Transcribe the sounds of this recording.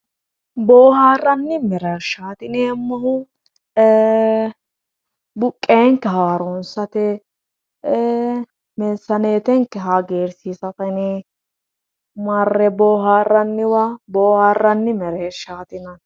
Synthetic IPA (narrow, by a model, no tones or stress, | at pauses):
boːɦaːrːɐnːɪmɛɾɛɾʃaːt̪ɪneɛmːɐhʊ | bʊkʼːeŋkːɛɦaːɾɔnsɐt̪ɛ | mɛnsːɐneːt̪ɛŋkːɛɦɐɡeːɾsisɐtɐnɪ | mɐrːɛboːɦaːrːɐnːɪwɐboːhaːrːɐnːɪmɛɾeɾʃaːt̪ɪnɐ